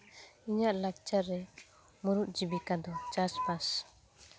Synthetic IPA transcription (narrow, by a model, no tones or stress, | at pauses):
iɲaʔlak̚t͡ʃaɾːɛ | muɾuʔ̪̚d͡ʒibikad̪ɔt͡ʃaspas